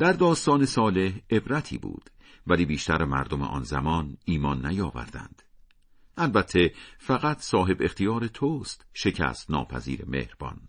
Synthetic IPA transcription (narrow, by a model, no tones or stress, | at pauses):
d̪̥æɾd̪ɒːst̪ɒːne̞sɒːle̞he̞bɾæt̪ʰḭːbṵːd̪̥ | væliːbiːʃt̪æɾemæ̰ɾd̪o̞meʔɒ̰ːnzæ̰mɒːniːmɒːnːæjɒːvæ̰ɾd̪æ̰nd̪̥ | ʔælbæt̪ʰːe̞fæɣæt̪ʰsɒːɦe̞be̞χt̪ʰijɒːɾet̪ʰoːst̪ʃe̞cʰæ̰st̪nɒ̰ːpʰæ̰zḭːɾe̞̰mḛhɾb̥ɒ̰ːn